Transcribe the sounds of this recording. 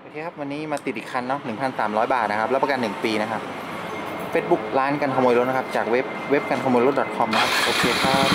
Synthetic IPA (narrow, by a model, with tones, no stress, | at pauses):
ʔʔoː˧kʰeː˧kʰa˦˥p̚wa˧nːiː˦˥maː˧t̪i˨˩t̪̚ʔi˨˩kʰa˧nːɔ˦˥nɯ˨˩ŋpʰa˧nsaː˩˦mɾɔː˦˥jbaː˨˩t̪̚na˦˥kʰa˦˥p̚lɛː˦˥˩pa˧ka˧nːɯ˨˩ŋpiː˧na˦˥kʰa˦˥p̚ | feː˦˥t̪̚bu˦˥k̚laː˦˥nka˧nkʰa˧moː˧jlo˦˥˩na˦˥kʰa˦˥p̚t͡ɕaː˨˩k̚we˦˥p̚we˦˥p̚ka˧nkʰa˧moː˧lo˦˥t̪̚dɔ˨˩t̪̚kʰɔ˧mna˦˥kʰa˦˥˩ʔoː˧kʰeː˧t̪ʰaː˥˩